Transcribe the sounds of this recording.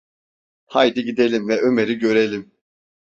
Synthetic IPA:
hajd̪iɟid̪e̞lʲimvɛʔømeɾiɟø̞ɾelʲim

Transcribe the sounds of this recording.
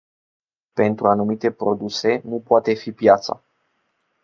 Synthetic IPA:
pe̞nt̪ɾuanumit̪e̞pɾo̞d̪use̞nupoat̪e̞fipjat̪sa̰

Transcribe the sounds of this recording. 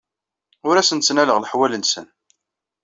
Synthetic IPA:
ʊɾæsənt͡sːənæləʁləħwælənsə̰n

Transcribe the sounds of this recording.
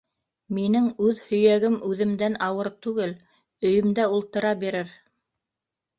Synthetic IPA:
minɘŋʉðhɵ̆jæɡɘmʔʉðɘ̆md̪ænɑwɤɾt̪ʉɡɘl | ɵ̆jɵ̆md̪æulˠt̪ɤ̆ɾɑbiɾɘɾ

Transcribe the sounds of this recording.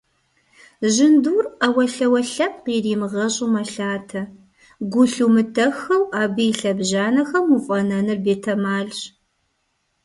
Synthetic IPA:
ʑɪnduːrɐwɐɬɐwɐɬɐp̚qiːriːmɨʁɐɕʼumɐɬaːtʰɐ | ɡʷʊɬumɨtʰɐxɐwaːbɨjiɬɐbʑaːnɐxɐmufʼɐnɐnɨrbeːtʰɐmaːɮɕ

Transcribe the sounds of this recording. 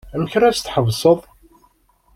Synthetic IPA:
æməçɾæt͡st̪ːħəvsˤəðˤ

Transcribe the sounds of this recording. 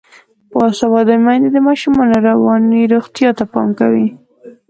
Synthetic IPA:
pɑsawɑd̪amajnd̪ed̪əmɑʃumɑnoɾawɑniɾoɣt̪jɑt̪apɑ̰mkawi

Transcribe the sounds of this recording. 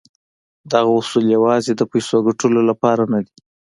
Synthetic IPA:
d̪aɣaʊsuljawɑzed̪əpajsoaɡaʈəlolapɑɾanad̪i

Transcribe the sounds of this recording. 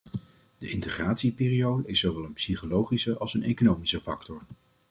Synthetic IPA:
d̥əʔɪntəχraːtsipɪːriowdəɪsːowʋɛlˠənpsiχolowχisəʔɑlˠsənḛjkonowmisəfɑ̰ktɔɹ

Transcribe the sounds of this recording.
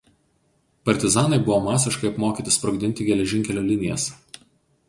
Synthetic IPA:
pɐɾʲt̪ʲɪzɑːnɐɪbʊʋoːmɑːsʲɪʃkɐɪɐpmoːkʲiːˑt̪ʲɪspɾɔɡd̪ʲɪnʲt̪ʲɪɡʲɛlʲɛʒʲɪŋʲkʲɛlʲoːlʲɪnʲɪjɛ̰s

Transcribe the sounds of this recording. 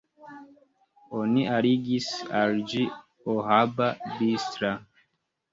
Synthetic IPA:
oniʔaɾiɡisald͡ʒi | oɦababistɾa

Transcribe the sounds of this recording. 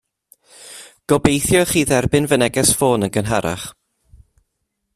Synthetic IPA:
ɡ̥ɔbejθjɔχiːðɛrbɪnvənɛɡɛsfoːnənɡənɦaɾʔa̰χ

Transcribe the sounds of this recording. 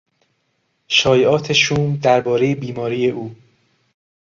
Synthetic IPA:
ʃɒːjeʔɒːt̪ʰeʃuːmd̪æɾbɒːɾejebiːmɒːɾiːje̞ʔuː

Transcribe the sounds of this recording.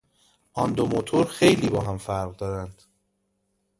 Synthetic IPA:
ʔɒnd̪omot̪ʰoɾxe̞jliːbɒːɦæmfæɾʁd̪ɒːɾænd̪̥

